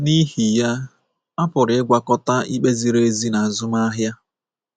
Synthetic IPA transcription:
ni˦hi˨ja˦ | a˦pʊ˨ɾɪ˨ɪ˦ɡʷa˨kɔ˦ta˦i˦k͡pe˦zi˨ɾe˦zi˦na˨zʊ˦ma˦ɦja˦

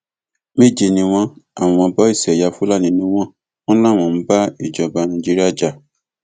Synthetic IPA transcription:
mĩ˦˨d͡ʒi˧˨nĩ˧w̃ɔ̃˧a˦˨w̃ɔ̃˧bɔ˦i˦˨sɛ˨ja˨˧fu˦la˦˨nĩ˨˧˦nũ˦w̃ɔ̃˦ | ɔ̃˦lã˦˨w̃ɔ̃˧˨m̩˦ba˦i˦˨d͡ʒɔ˨ba˧nã˧˨d͡ʒi˦ɾi˦a˦˨d͡ʒa˧˨

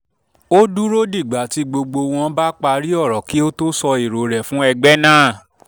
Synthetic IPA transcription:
o˦du˦ɾo˦di˦˨ɡ͡ba˨˦ti˨˧ɡ͡bo˧ɡ͡bo˧w̃ɔ̃˧˦ba˦k͡pa˧ɾi˦ɔ˦˨ɾɔ˨˦ki˦o˦to˦sɔ˧i˨ɾo˨˦ɾɛ˨fũ˨˦ɛ˧ɡ͡bɛ˦nãː˦˨

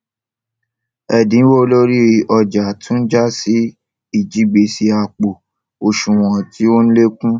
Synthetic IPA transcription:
ɛ˨dĩ˨˦wo˦o˧lo˦ɾi˦˧ʔɔ˧d͡ʒa˨tũ˨˦n̩˦d͡ʒa˦si˨˦ | i˦˨d͡ʒi˦ɡ͡be˧si˧a˧k͡po˨ | o˧ʃũ˨w̃ɔ̃˨ti˦o˦ñ̩˦le˦kũ˦

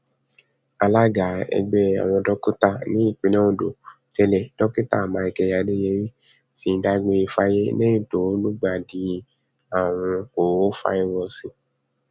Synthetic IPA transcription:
a˧la˦ɡa˨ɛ̰˧ɡ͡bɛ˦a̰˨w̃ɔ̃˧dɔ˦ku˦ta˦˨nĩ˨˦i˦˨k͡pĩ˨˧nã˦ũ˦˨do˨ | tɛ˧lɛ˨d̥ɔ˦ki˦ta˦˨mã˨˧i˧kɛ˧ja˧de˦je˧˦ɾi˦ | ti˧n̩˦da˦ɡ͡be˧i˧fa˦je˦nẽ˦ĩ˦˨to˨˦lu˦ɡ͡ba˦˨di˨˧˦ | a˦˨w̃ɔ̃˧ko˨o˦fa̰˧˦i˧wɔ˧si˧˦

